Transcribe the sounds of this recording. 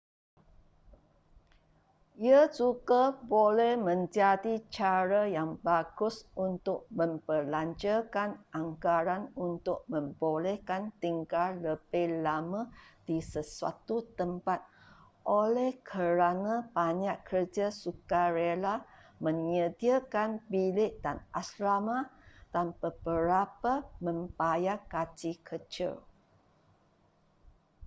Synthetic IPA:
iasuɡabolɛhmə̃ɲd͡ʒadit͡ʃaɾajaŋbaɡʊsunt̪ʊk̚mə̃mpəlaɲt͡ʃakanʔaŋkaɾanunt̪ʊk̚mə̃mbolɛhkant̪iŋkarləb̥ɛlamãd̥isəsua̰t̪ut̪əmpat̪̚ | ʔolɛhkʰəɾanãb̥aɲaʔkʰərd͡ʒasukaɾelamə̃ŋədiakanbilɪʔdanaslamat̪anpəbəɾapamə̃mpajakat͡ʃikʰət͡ʃɪ̰l

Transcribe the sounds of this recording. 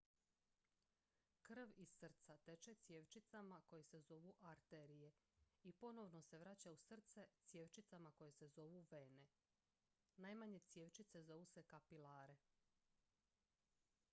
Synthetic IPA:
kr̩ʋizsr̩t̪sat̪e̞t͡ʃet̪sje̞ːʋt͡ʃit̪samako̞jese̞zo̞ʋuʔaɾt̪eɾije̞ipo̞no̞ʋno̞se̞ʋɾat͡ɕausr̩t̪set̪sje̞ʋt͡ʃit̪samako̞je̞se̞zo̞ʋuʋe̞ne̞ | naːjmaɲe̞t̪sje̞ʋt͡ʃit̪se̞zouse̞kapilaːɾe̞

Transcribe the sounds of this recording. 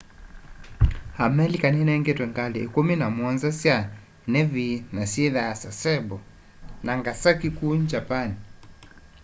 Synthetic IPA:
hamɛlikaninɛŋɡetwɛŋɡaleːkuminamwɔnzasja | nɛvinasiðasasɛbɔ | naŋɡasakikuɲd͡ʒapani

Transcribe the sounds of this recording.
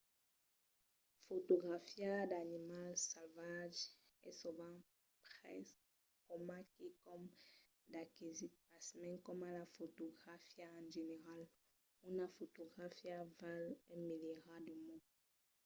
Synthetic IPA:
fot̪oɡʁafjad̪animalsalvaʒ | ɛ̰suvã | pχɛ̰s | kɔmakikɔm | d̪akizit̪̚pasmɛ̃ŋkɔmalafot̪oɡʁafjaãʒeneʁal | unafot̪oɡʁafjavalɛmeleʁad̪umɔ̃

